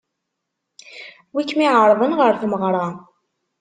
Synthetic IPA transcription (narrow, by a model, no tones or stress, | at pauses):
wikːmiʕəɾˤðˤənʁəɾθməʁɾˤɑ